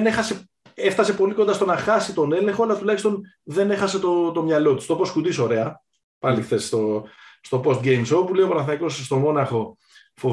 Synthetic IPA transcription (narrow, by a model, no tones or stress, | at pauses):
ne̞xɐse̞ | e̞ft̪ɐse̞po̞liko̞nd̪ɐst̪o̞nɐxɐsit̪o̞ne̞leŋxoalɐt̪ulɐçist̪o̞n | ðe̞ne̞xɐse̞t̪o̞t̪o̞mɲɐlo̞t̪i̥st̪o̞po̞skud̪iso̞ɾe̞ɐ | pɐlixθe̞st̪o̞st̪o̞po̞st̪ɡe̞jmsopule̞iopɐnɐθnɐiko̞sst̪o̞mo̞nɐxo̞ | fo